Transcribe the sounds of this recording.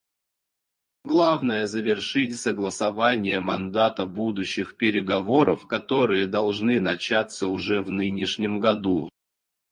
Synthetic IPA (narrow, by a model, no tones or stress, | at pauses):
ɡlˠavnəjəzəvʲɪrʂɨtʲsəɡlˠəsɐvanʲɪjəmɐnd̪at̪əbud̪ʊɕːɪxpʲɪɾʲɪɡɐvo̞ɾə̰fkɐt̪o̞ɾɨjəd̪ɐlˠʐnɨnɐt͡ɕat̪səʊʐɛvnɨnʲɪʂnʲɪmɡɐd̪u